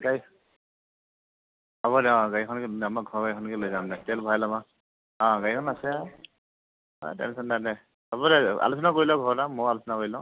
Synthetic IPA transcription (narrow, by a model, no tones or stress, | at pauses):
ɡaj | abɔdɛɔ̃ɡajkʰɔnkiamaɡʱɔɹɡajkʰɔnkilojzamnɛtɛlbʱajlama | ɔ̃ɡajkʰɔnasɛ | ɔ̰tɛ̰nsɔndanɛ | abɔdɛa̰lusɔnakoɹilɔɡʱɔɹdamɔalusɔnakoɹilɔ̃